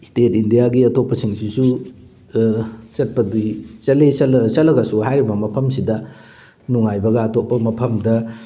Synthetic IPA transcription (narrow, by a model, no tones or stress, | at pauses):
stetindijaɡiɐtopːɐsiŋsisu | sɐt̚pɐdisɐlesɐlɐsɐlːɐɡɐsuɦajɾibɐmɐpʰɐmsidɐ | nuŋajbɐɡɐːtopːɐmɐpʰɐmdɐ